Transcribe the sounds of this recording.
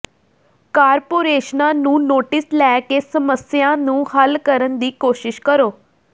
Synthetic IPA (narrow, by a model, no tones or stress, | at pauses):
kaːɾpoːɾeːʃnãːnũːnoːʈɪslɛːkeːsəməsɪjãːnũːhəlkəɾənd̪iːkoːʃɪʃkəɾoː